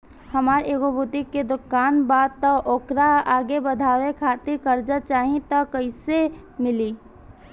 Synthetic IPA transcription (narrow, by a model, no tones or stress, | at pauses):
həmaːɾeːɡobʱut̪ikːed̪ʊkːaːnbaːd̪̚t̪əʔoːkɾaaːɡebəd̪ʱaːwekʰaːt̪ɪɾkəɾd͡ʒət͡ʃaːɦĩt̪əkːəɪsemɪliː